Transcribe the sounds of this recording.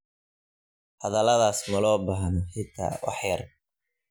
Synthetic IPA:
hɐðɐlɐðaːsmɐlɔːbɑɦnɔħɪt̪ʰa̰ːwɑ̰ħjɐr

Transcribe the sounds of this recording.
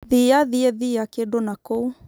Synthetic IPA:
ðiaðiɛðiakedonakou

